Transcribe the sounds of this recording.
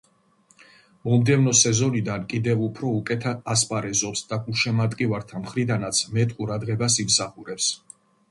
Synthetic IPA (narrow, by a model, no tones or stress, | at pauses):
mɔmd̪ɛvnɔsɛzɔnid̪ankʼid̪ɛvupʰɾɔukʼɛt̪ʰad̪aspʼaɾɛzɔpsd̪aɡuʃɛmat̪ʼkʼivaɾt̪ʰamχɾid̪anat̪sʰmɛt̪ʼqʼuɾad̪ʁɛbasimsaχuɾɛps